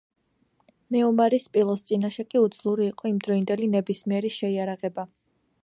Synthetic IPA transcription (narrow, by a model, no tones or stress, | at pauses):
mɛɔmaɾispʼilˠɔst̪sʼinaʃɛkʼiud̪zlˠuɾiːqʼɔimd̪ɾɔind̪ɛlinɛbismiɛɾiʃɛiaɾaʁɛba